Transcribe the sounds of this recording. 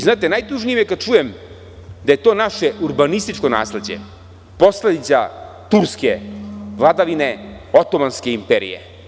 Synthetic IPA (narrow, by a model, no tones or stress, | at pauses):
znaːt̪enajt̪uʒnijimjekad̪̚t͡ʃujem | d̪aje̞t̪o̞ːnaʃeuɾbanist̪it͡ʃko̞na̰ːsle̞d͡ʑḛ | po̞sled̪it̪sa | t̪uɾskevlˠad̪aʋine | ot̪omanske̞impeɾḭjḛ